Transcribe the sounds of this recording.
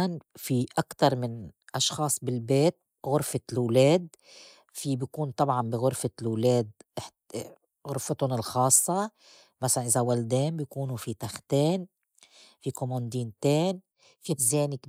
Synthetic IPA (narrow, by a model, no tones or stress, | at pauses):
anfiʔakt̪ɑɾˤmɪnʔɑʃxɑːsˤbɪlbeːt̪̚ | ɣʊɾfalwleːd̪̚ | fibɪjkuːnt̪ˤɑbʕɑnbiɣʊɾfalwleːd̪̚ʔɪ | ɣʊɾfɪt̪ʊnɪlxɑːsˤːɑ | masalanʔɪzawald̪eːmbjkuːnufit̪axt̪eːn | fikomond̪iːnt̪eːn | fizeːnɪk